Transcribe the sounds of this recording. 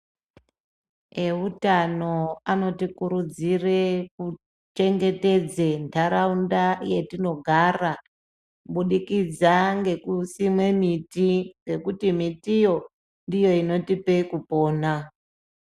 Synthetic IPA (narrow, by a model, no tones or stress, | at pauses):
e̞utano̞ano̞tikuɾud͡zire̞ku | t͡ʃe̞ŋɡe̞te̞d͡ze̞ntʰaɾaundaje̞tino̞ɡʱaːra | ɓuɗikid͡zaŋɡe̞kusimwe̞mitiŋɡe̞kutimitijo̞ | ndijo̞ino̞tipekupo̞ːna